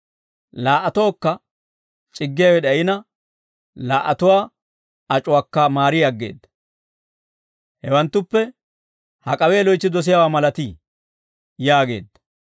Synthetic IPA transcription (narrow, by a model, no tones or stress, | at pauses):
laːʔːɐt̪o̞ːkːɐ | t͡ʃʼɪɡːɪjawɛɗ̪ɐjɪnɐ | laːʔːɐt̪ʊwaː | ɐt͡ʃʼʊwaːkːɐmaːɾɪjɐɡːe̞̰ːd̪ːɐ̥ | hɛwɐnt̪ːʊpːɛ | hɐkʼɐweːlɔjt͡ʃːɪd̪ɔs̬ɪjawaːmɐlɐt̪iː | jaːɡe̞̰ːd̪ːɐ̥